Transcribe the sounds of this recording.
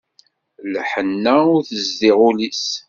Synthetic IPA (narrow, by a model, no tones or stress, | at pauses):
lħənːæʊɾθəzd̪iʁulis